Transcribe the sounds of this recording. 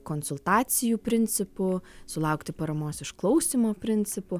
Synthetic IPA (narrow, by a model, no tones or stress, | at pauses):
konsʊlˠt̪ɑːsʲɪjuːpʲɾʲɪnʲt͡s̪ʲɪpʊsʊlˠɐʊkt̪ʲɪpɐɾɐmoːsɪʃklˠɐʊsʲiːmoːpʲɾʲɪnʲsʲɪpʊ